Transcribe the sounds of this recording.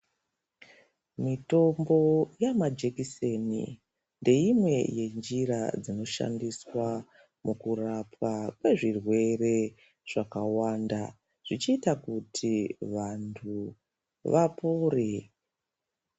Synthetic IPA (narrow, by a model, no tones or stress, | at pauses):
mito̞mbo̞jamad͡ʒekise̞nḭ | nde̞imwe̞je̞nd͡ʒiɾad͡zino̞ʃa̰ndiswa | mukurapakwe̞ʐirwe̞re̞ | ʐ̥akawaːnda | ʐ̥it͡ʃiːtakutʰiʋantʰu | ʋapoːre